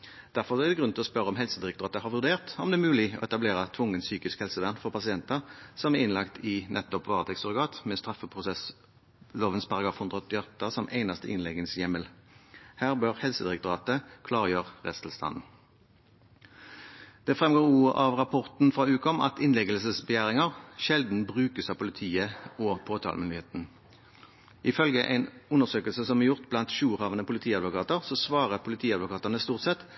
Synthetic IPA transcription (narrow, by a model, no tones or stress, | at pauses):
d̪̥æʁfɔʁɔɛd̪ɛɡʁʉnt̪ɪlɔspœʁəɔmɦɛlsəd̪ɪʁɛkt̪ʊʁɑːt̪əhɑːʁʋʉʁd̪eːʁt̪ɔmd̪ɛːmʉːlɪo̰ːɛt̪ɑbleːʁət̪ʰʋʊŋːənsyːkɪskhɛlsəʋæːʁnfɔʁpɑsɪɛnt̪əʁsɔmæʁɪnlɑkt̪ʰɪnʔɛt̪ːɔpʋɑːʁət̪ʰɛksɔʁɪɡɑːt̪mɛːst̪ʁɑfəpʰʁʊsɛs | loːʋənspʰɑʁɑɡʁɑːfhʊnd̪ʁəɔt̪ːɪɔt̪ːəsɔmʔeɪnɑst̪əʔɪnlɛɡənsjɛməlhæːʁbøʁhɛlsəd̪ɪʁɛk̚t̪ʊʁɑːt̪əkʰlɑːʁəjøːʁʁɛ̰st̪ʰl̩st̪ʰɑ̰nn̩ | d̪̥ɛfʁɛmɡoːʁuːɑʋʁɑpʰɔʁt̪n̩fʁɑːʉːkɔmɑ̰t̪ɪnlɛɡəlsəsbəjæːʁɪŋɑʁʃɛld̪n̩bʁʉːkəsɑːpʊlɪt̪ʰiːəoːpʰoːt̪ʰɑ̰lmʏnd̪ɪheːt̪n̩ | ʔɪfœlɡəʔæ̰ɪnʉnəʁsøːkəlsəsɔmɛjʊʁt̪blɑnt̪ʃuːʁhɑʋənəpʰʊlɪt̪ʰiːɑd̪ʋʊkɑːt̪əʁsoːsʋɑːʁəpʰʊlɪt̪ʰiːɑd̪ʋʊkʰɑːt̪ənəst̪uːʁt̪sɛt̪